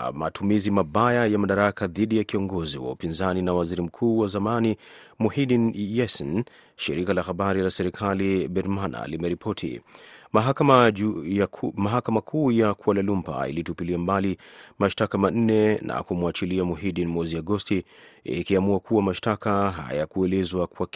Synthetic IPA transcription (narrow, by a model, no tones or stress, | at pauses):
ma̰tʰumizimaɓajajamaɗaɾakaðiɗijakiɔŋɡɔziwa̰upinzaninawaziɾim̩kʰuːwazamanimuhidinjɛsɛn | ʃiɾikalahaɓaɾilasɛɾikʰalibɛɾmana̰limɛɾipʰɔtʰḭmaak | maɦakamakʰuːjakualalumpa̰ḭlitupiliambalimaʃtakaman̩nɛna̰kumuat͡ʃiliamuɦiɗinmwɛziaɡɔstiḭkiamuakʰuwamaʃtakaɦa̰jakuɛlɛzwakwak